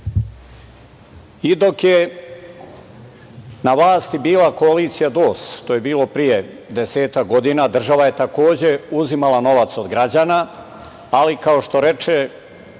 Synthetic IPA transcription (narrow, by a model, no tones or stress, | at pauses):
id̪o̞kje̞ | naʋlaːst̪ibiːlako̞aliːt̪sijad̪o̞ːst̪oːje̞biːlˠo̞pɾije̞ | d̪eseːt̪akɡo̞d̪inad̪r̩ʒaʋaje̞t̪ako̞ːd͡ʑe̞uzimalˠano̞ʋat̪so̞d̪ɡɾad͡ʑaːna | alikao̞ʃt̪o̞ɾe̞t͡ʃe